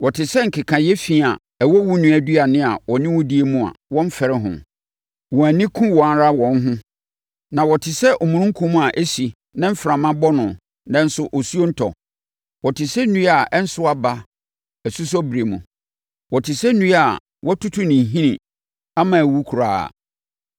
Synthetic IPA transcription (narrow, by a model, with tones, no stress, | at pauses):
wɔ˨tʰɪ˨sɛ˦ŋ̩˨kʰɪ˨kʰã˨jɛ˦fi˦˨a̰˨ | ɛ˨wɔ˦wu˦nũ˨˦æ˨di˦a˨nɪ̃˦a˨wɔ˨nɪ̃˦wʊ̃˦di˦e˦mũ˦˨a̰˨wɔ̃˦m̩˦fɛ˨ɾɪ˦ɦʊ̰̃˨ | wɔ˨æ˨nɪ̃˦kʰʊ̃˦wɔ̃˨a˦ɾa˦wɔ̃˨n˦ɦʊ̃˦ | nã˨wɔ˨tʰɪ˨sɛ˦ʔɔ˨mũ˨nʊ̃˦ŋ̩˦kʰũ˦mũ˦a˨ʔæ˦si˨ | nã˦m̩˦fɾã˨mã˦bɔ˦nʊ̃˨ | nã˦n̩˦sʊ˦ʔɔ˨su˦o˦n̩˦tʰɔ̰˨ | wɔ˨tʰɪ˨sɛ˦nũ˦a˨ʔɛ˦n̩˦sʊ˦a˦ba˦ | æ˨su˦s̬ɔ˦bɾe˨mũ˨ | wɔ˨tʰɪ˨sɛ˦nũ˦a˨ | wɔ˦tʰu˦tʰu˦nɪ̃˨ɦĩ˦nɪ̃˨ | a˦mã˨æ˨wu˦kʰu˨ɾaː˨a̰˨